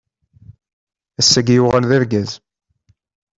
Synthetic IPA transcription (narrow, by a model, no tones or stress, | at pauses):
æsːæɡjuʁænðæɾɡæz